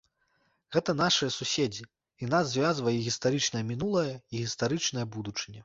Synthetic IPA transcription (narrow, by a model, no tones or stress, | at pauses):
ɣɛt̪ɐnaʂɨjɐsusʲed͡zʲi | inazːvʲazvɐjʲiɣʲist̪aɾɨt͡ʂnɐjɐmʲinulˠɐjɐiɣʲist̪aɾɨt͡ʂnɐjɐbud̪ut͡ʂɨnʲɛ